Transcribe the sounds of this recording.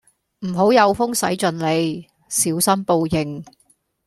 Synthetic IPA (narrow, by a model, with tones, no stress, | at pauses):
m̩˨˩ɦo˨˥wjɐ˨˧wfʊ˥ŋsɐ˨˥jt͡ʃɵ˨nle˨˧j | siː˨˥wsɐ˥npo˧wjɪ˨˩ŋ